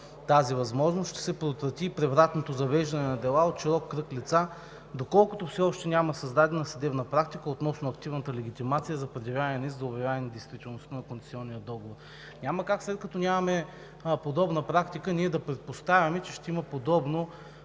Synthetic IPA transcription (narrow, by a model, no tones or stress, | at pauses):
t̪azivɐzmɔʒnosʃt̪ɛ̥sɛpɾoot̪vɾɐt̪ipɾɛvɾat̪not̪ozɐvɛʒd̪ɐnɛnɐd̪ɛlˠaot̪ʃiɾɔkːɾɤklit̪sa | d̪okɔlˠkʊt̪ofsɛɔʃt̪ɛnʲamɐsɐzd̪ad̪ɛnɐsɐd̪ɛbnəpɾak̚t̪ikəot̪nɔsnoɐk̚t̪ivnət̪əlɛɡ̟it̪imat̪sijəzɐpɾɛd̪ʲɐvʲjanɛnizzɐʊbɛvʲjaɛnʲɛd̪ɛjst̪vit̪ɛlˠnost̪anɐkont̪ɛ̥siɔnːijəd̪ɔɡovoɾ | nʲaməkakslɛt̪̚kɐt̪ɔnʲamɐmɛ | pod̪ɔbnəpɾakt̪ikəniɛd̪ɐpɾɛt̪̚post̪avʲɐmɛt͡ʃɛʃt̪ɛiməpod̪ɔbno